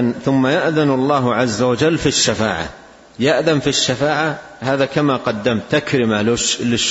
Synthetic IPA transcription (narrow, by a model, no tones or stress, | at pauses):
nθʊmːajaʔðanɑlˤːɑːɦʕazːawad͡ʒalːfiʃːafa̰ːʕa̰ | jaʔðanfiʃːafaːʕa | haːðakamaqɑd̪ːamt̪ːakɾɪmalɪlɪʃ